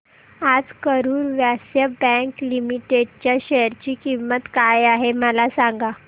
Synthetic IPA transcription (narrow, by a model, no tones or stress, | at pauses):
ad͡zkəɾuːɾʋjasjəbɛ̃ŋklimiʈeɖt͡ɕjaɕejəɾt͡ɕiːkimːət̪kajaɦeməlasaŋɡa